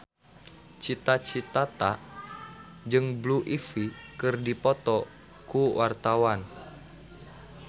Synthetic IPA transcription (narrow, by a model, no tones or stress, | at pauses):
t͡ʃit̪at͡ʃit̪at̪a | d͡ʒɨŋbluʔifikɨrdipɔt̪ɔ | kuwart̪awan